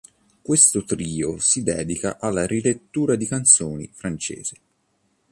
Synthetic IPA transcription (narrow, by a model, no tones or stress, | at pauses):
kwest̪ot̪ɾiːosid̪ɛːd̪ikaʔalːaɾilet̪ːuːɾad̪ikant̪soːnḭfɾant͡ʃḛːz̥e